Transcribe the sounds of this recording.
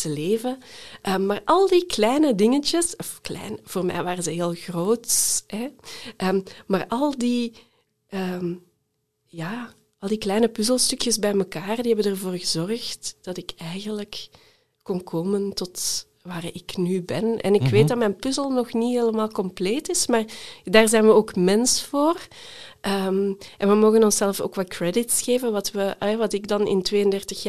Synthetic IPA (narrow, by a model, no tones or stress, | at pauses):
təleːvəʔəmaːrʔɑlˠdiklɛjnədɪŋət͡ʃəsɔfklɛ̰jnv̥oːrmɛ̰jʋaːɾəzəɦeːlˠɣroːtsɛʔəːmaːrʔɑlˠdi | əːm | jaː | ɑlˠdiklɛjnəpʏzəlˠstɵkjəzbɛjməkaːrdiɦɛbənərvoːrɣəzɔrxtd̥ɑtɪkɛjɣənləkː | ɔnkʰoːməntɔt | ʋaːrɪknybɛnɛ̰nɪkʋeːt̚dɑtmɛjnpʏzəlˠnɔxniɦeːləmaːlˠkɔmpleːtɪsmaːrdaːrzɛjnʋəoːkmɛnsfoːr | ʔəːmʔɛnʋəmoːɣənɔnsɛlˠfo̰ːkʋɑkrɛdɪtsxeːvənʋɑtʋəɛʋɑtɪɡdɑnɪ̰ntʋeːjəndɛrtəxja